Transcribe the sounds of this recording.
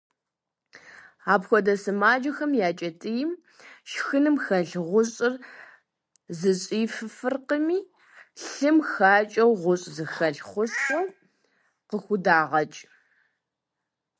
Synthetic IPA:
aːpxʷɔdɐsɨmaːd͡ʒɐxɐmjaːt͡ʃʼɐtʼɨjɪm | ʃxɨnɨmxɐɮʁʷʊɕʼɨr | zɨɕʼiːfɨfɨrqəmiː | ɬɨmxaːt͡ʃʼɐwʁʷʊɕʼzɨxɐɬχʷʊsxɐw | qəxʷʊdaːʁɐt͡ʃʼ

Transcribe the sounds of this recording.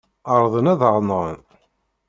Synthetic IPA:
əɾˤðˤənæðʁnʁən

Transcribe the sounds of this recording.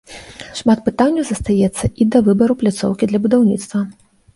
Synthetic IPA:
ʂmat̪̚pɨt̪anʲːɐwzɐst̪ajɛt̪sːɐʔid̪ɐvɨbɐɾuplʲat̪sɔ̰wkʲid̪lʲɐbud̪awnʲit̪st̪vɐ

